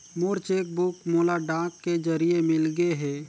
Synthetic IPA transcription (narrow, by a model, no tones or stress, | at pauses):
moːɾt͡ʃeːk̚bʊkmoːlaɖãːkːed͡ʒəɾijemɪlɡəeɦɛː